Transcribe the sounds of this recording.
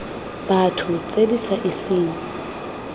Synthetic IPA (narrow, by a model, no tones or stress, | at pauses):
b̥atʰʊt͡sʼedisaʔisiːŋɔ